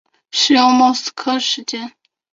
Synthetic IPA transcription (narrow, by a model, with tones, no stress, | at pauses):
ʂɻ̩˥jo˥˧ŋmɑ˥˩s̩˥kʰɤ˥ʂɻ̩˧˥t͡ɕjɛ˥n